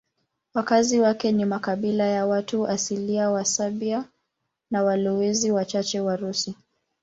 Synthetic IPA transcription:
wakaziwakɛnimakaɓilajawatuasiliawasaɓia | nawalɔwɛziwat͡ʃat͡ʃɛwaɾusi

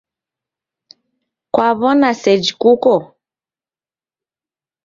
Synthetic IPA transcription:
kwaβɔnasɛd͡ʒikukɔ

